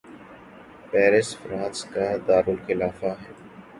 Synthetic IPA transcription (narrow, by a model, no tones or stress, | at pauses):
pɛːɾɪsfɾãːnskaːd̪aːɾʊlxɪlaːfaɦɛː